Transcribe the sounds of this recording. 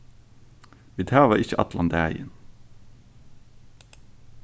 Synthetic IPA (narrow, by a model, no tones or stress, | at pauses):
ʋiːd̪ʰæːʋɑɪçəʔɑ̰t̪ʰlʔɑ̰nd̪ææɪə̰n